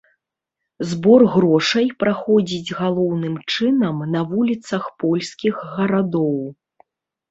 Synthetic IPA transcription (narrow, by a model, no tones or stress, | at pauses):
zbɔrɣɾɔʂɐjpɾaxɔd͡zʲid͡zʲɣalˠɔwnɨmt͡ʂɨnɐmnɐvulʲit̪sɐxpɔlʲsʲkʲiɣːɐɾad̪ɔw